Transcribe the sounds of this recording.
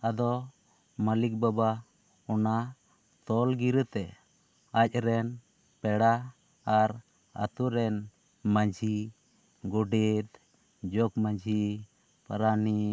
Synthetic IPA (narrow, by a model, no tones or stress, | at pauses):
ad̪ɔ | malik̚baba | ɔna | t̪ɔlɡiɾət̪ɛ | ac̚ˀɾɛn | pɛɽaː | ɾ | a̰t̪uɾɛn | maɲd͡ʒʱi | ɡɔɖɛt̪ | d͡ʒɔkmaɲd͡ʒʱi | paɾani